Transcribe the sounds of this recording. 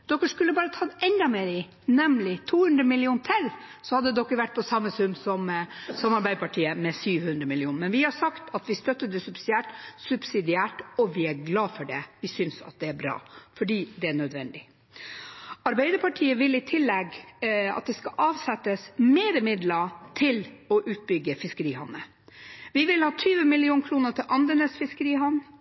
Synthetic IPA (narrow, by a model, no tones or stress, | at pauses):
d̪̥ɔkːəʂkʉlːəbɑːɾət̪ʰɑːd̪ɛnd̪ɑmeːɾɪ | nɛmlɪt̪ʰuːhʉnd̪ɾəmɪlɪuːnt̪ʰæl | sɔhɑd̪ːəd̪ɔkːəɾʋæʈːpʰɔsɑmːəsʉmːsɔmsɑmːɑɾbæɪd̪əpʰɑʈʰiːəmɛsyːʋhʉnd̪ɾəmɪlɪuːnmɛnʋɪhɑsɑkt̪ɑt̪ʋɪst̪œt̪ːəd̪əsʉbsɪd̪ɪæːʈsʉbsɪd̪ɪæːʈɔʋɪæɾɡlɑːfɔɖɛʋɪsʏnsɑ̰t̪̚d̪ɛæɾbɾɑ̰ːfɔɖiːd̪ɛæɳœd̪ʋɛnd̪ɪ | ɑɾbæɪd̪əpʰɑʈʰiːəʋɪlːɪt̪ʰɪlːɛɡɑ̰t̪̚d̪ɛskɑʔɑːʋsɛt̪ːəsmeːɾəmɪd̪lət̪ʰɪlɔʔʉːt̪̚bʏɡəfɪskəɾiːhɔnːə | ʋɪʋɪlhɑːt̪ʰyːʋəmɪlɪuːnkʰɾuːnət̪ʰɪlʔɑnd̪ənəsfɪskəɾiːɦɔnː